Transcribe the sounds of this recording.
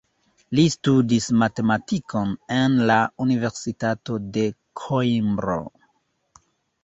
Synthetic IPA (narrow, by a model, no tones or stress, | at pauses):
listudismate̞matikʰo̞ne̞nlaunive̞ɾsitato̞de̞ | kʰoimbɾo̰